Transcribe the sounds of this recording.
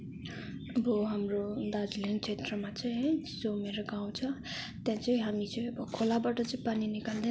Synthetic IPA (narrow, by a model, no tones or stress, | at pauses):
ʌbʌɦamrod̪ad͡zlint͡sʰet̪rʌmat͡sʌĩ | d͡zomeɾʌɡaw̃t͡sʰʌ | t̪jãt͡sʌĩɦamit͡sʌĩʌbʌkʰolabaʈʌt͡sʌĩpaninikald̪e